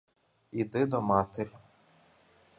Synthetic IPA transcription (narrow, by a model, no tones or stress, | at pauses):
id̪ɪd̪ɔmɑt̪erʲ